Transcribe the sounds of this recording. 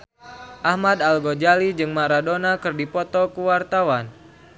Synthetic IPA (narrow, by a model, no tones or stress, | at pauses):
ʔahmad̪alɡod͡ʒalid͡ʒɨŋmaɾadonakɨrdipɔt̪ɔkuwart̪awan